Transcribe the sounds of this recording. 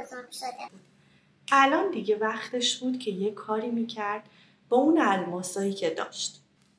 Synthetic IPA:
ælɒːnd̪iɟe̞væxt̪ʰe̞ʃbuːd̪̥cʰe̞jekʰːɒːɾiːmiːcʰæɾd̪̥ | b̥ɒunælmɒːsɒːjiːcʰe̞d̪ɒ̰ːʃt̪

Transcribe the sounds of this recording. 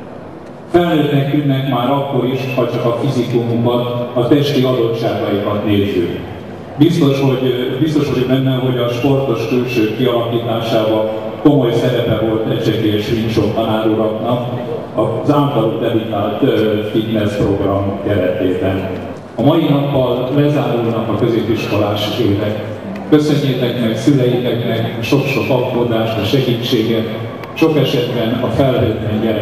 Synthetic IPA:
fɛlːeːt̪nɛkt̪ynːɛkmaːɾɒkːo̞ɾiʃhɒt͡ʃɒkɒfizikumumbɒnɒt̪ɛʃt̪iɒd̪o̞tt͡ʃːaːɡɒjikɒt̪neːzyː | bist̪o̞ʃho̞ɟbist̪o̞ʃho̞ɟbɛnːɛɦo̞ɟɒʃpo̞rt̪o̞ʃkylʃøːkːiɒlɒkiːt̪aːʃaːbɒlko̞mo̞jsɛɾɛpɛvo̞lt̪ɛcʃɛkeːɛʃminʃo̞nt̪ɒnaːɾuːɾɒknɒk | ɒzaːmt̪ɒɾud̪ɛlut̪aːlt̪øfinnɛspro̞ɡrɒmkɛɾɛt̪eːb̪ɛn | ɒmɒjinɒpːɒllɛzaːɾulnɒkɒkø̞zeːpiʃko̞laːʃid̪øːnɛkː | ø̞sø̞ɲːet̪ɛknɛksylɛjit̪ɛknɛkʃo̞kʃo̞kɒkːoːd̪aːʃt̪ɛʃɛɡiːt͡ʃːeːɡɛt̪ | ʃo̞kɛʃɛd̪bɛnɒfɛlɦøːt̪lɛɲɛ

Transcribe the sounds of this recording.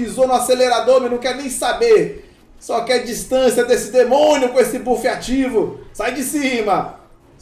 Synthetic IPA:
izonʊaseleɾad̪oɾmenɐ̃w̃kɛɾnẽj̃sabeɾ | sɔkɪɛd͡ʒist̪ɐ̃sjɐd̪esɪd̪emõnjʊkõesɪbufiat͡ʃivʊsajd͡ʒɪsĩmɐ

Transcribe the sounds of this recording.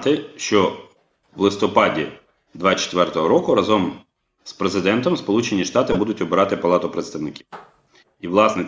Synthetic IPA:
t̪ɪʃt͡ʃɔ | ʋlˠɪst̪ɔpɑdʲi | d̪ʋɑt͡ʃe̥t̪ʋɛrt̪ɔɦɔɾɔkʊɾɐzɔm | spɾezɪd̪ɛnt̪ɔmspɔlˠut͡ʃenʲiʃt̪ɑt̪ɪbud̪ʊtʲɔbɪɾɑt̪ɪpɐlˠɑt̪ʊpɾet̪st̪ɐʋnɪkʲi | iʋlˠɑsnɛ

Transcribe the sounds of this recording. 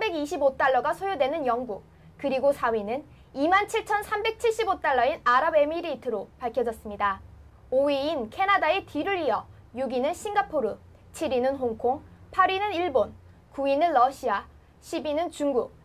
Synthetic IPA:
ambe̞ɡiɕʰibot͈aɭːʌɡasʰojodwe̞nɯnjʌŋɡuk̚ | kɯɾiɡosʰawinɯn | imant͡ɕʰiɭt͡ɕʰʌnsʰambe̞k̚t͡ɕʰiɭɕ͈ibot͈aɭːʌinaɾabe̞miɾitʰɯɾopaɭkʰjʌd͡ʑʌs͈ɯmɲida | oiinkʰe̞nadaetʰiɾɯɾiʌ | juɡinɯnɕʰiŋɡapʰoɾɯ | t͡ɕʰiɾinɯnɦoŋkʰoŋpʰaɾinɯniɭbon | kuinɯnlʌɕʰia | ɕʰibinɯnt͡ɕuŋɡuk̚

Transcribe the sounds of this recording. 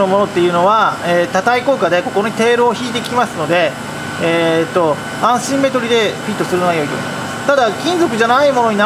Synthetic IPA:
no̞mo̞no̞t̪ːe̞jɯ̟no̞βaeːt̪at̪aiko̞ɯ̟kad̪e̞ko̞kooɲ̟it̪e̞ːɾoːçiːt̪e̞kʲimasɨno̞d̪e̞ | et̪ːo̞ | ãɰ̃ɕĩmːe̞t̪o̞ɾʲid̪e̞ɸʲit̪ːosɨɾɯ̟noajo̞it̪o̰mḁ | t̪ad̪akʲĩnd͡zo̞kɯ̟ʑanaimo̞no̞ɲ̟ina

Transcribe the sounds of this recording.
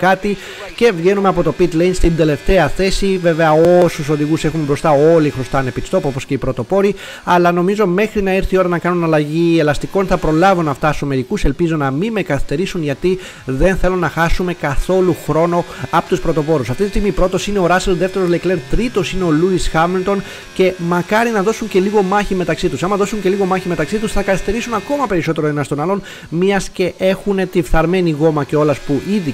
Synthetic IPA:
kɐt̪i | ce̞vʝe̞numeɐpo̞t̪o̞pit̪lejnst̪ind̪e̞le̞ft̪e̞ɐθe̞sive̞ve̞ɐosuso̞ðiɣuse̞xumebɾo̞st̪ɐolixɾost̪ɐːne̞pist̪o̞popo̞sceipɾo̞t̪o̞po̞ɾi | ɐlɐno̞mizo̞me̞xɾinɐiɾθio̞ɾɐnɐkɐnunɐlɐʝie̞lɐst̪iko̞nθɐpɾo̞lɐvunɐft̪ɐsɐmeɾikuse̞lpizo̞nɐmime̞kɐθist̪e̞ɾisunʝɐt̪i | ðe̞nθe̞lonɐxɐsume̞kɐθo̞luxɾo̞no̞ɐpot̪uspɾo̞t̪o̞po̞ɾusɐft̪it̪ist̪iɣmipɾo̞t̪o̞sine̞o̞ɾɐselðe̞ft̪e̞ɾolekle̞ɾt̪ɾit̪o̞sine̞o̞luisxɐmilt̪o̞n | ce̞mɐkɐɾinɐðo̞suɲce̞liɣo̞mɐçime̞t̪ɐksit̪usɐmɐðo̞suɲce̞liɣo̞mɐçime̞t̪ɐksit̪usθɐkɐθist̪e̞ɾisunɐko̞mɐpe̞ɾiso̞t̪e̞ɾoenɐst̪o̞nɐlo̞n | miɐsce̞ʔe̞xune̞t̪ifθɐɾme̞niɣo̞mɐce̞o̞lɐspuʔiði

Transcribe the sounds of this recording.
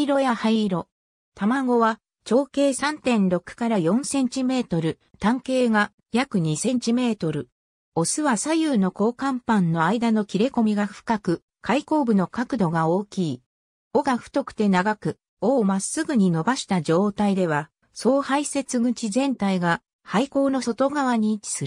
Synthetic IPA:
iɾo̞jahaiɾo̞ | t̪amaɡo̞βa | t͡ɕo̞ːke̞ːsãnt̪ẽ̞nɾo̞kːɯ̟̥kaɾajõ̞ñsẽ̞ɲ̟t͡ɕime̞ːt̪o̞ɾɯ̟ | t̪ãŋke̞ːɡa | jakɯ̟ɲ̟isẽ̞ɲ̟t͡ɕime̞ːt̪o̞ɾɯ̟ | o̞sɨβasajɯːno̞ko̞ːkãmpãnːo̞aid̪ano̞kʲiɾe̞ko̞mʲiɡaɸɯ̟̥kakɯ̟ | kʰaiko̞ːbɯ̟no̞kakɯ̟d̪o̞ɡao̞ːkʲiː | o̞ɡaɸɯ̟̥t̪o̞kɯ̟̥t̪e̞naɡakɯ̟ | oːmasːɨɡɯ̟ɲ̟ino̞baɕi̥t̪ad͡ʑo̞ːt̪aid̪e̞βa | so̞ːhaise̞t͡sɨɡɯ̟t͡ɕizẽ̞nt̪aiɡa | haiko̞ːno̞so̞t̪o̞ɡaβaɲ̟i̥sɨɾɯ

